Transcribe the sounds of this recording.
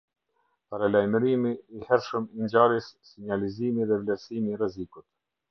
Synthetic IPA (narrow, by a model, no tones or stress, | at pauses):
paɾalajməɾimiːhɛɾʃəmiɲd͡ʑaɾɛsːiɲalizimiðɛvlɛɾsimirɛzikut̪